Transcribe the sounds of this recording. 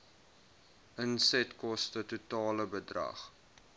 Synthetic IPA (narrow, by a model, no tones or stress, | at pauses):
ʔənsɛtkɔstətutɑːləbədrɐ̰χ